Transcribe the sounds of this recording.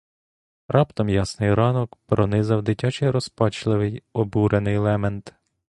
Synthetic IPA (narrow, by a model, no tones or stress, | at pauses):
rɑpt̪ɔmjɑsnɪjɾɑnɔkpɾɔnɪzɐwd̪ɪtʲɑt͡ʃɪjɾɔspɑt͡ʃlˠɪʋɪjɔbuɾenɪjlˠɛment̪